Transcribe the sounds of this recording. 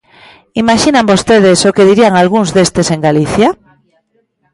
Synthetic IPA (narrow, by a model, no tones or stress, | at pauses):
imaʃinãmbost̪eð̞esokeðiɾiaŋalɣuŋzðest̪eseŋɡaliθja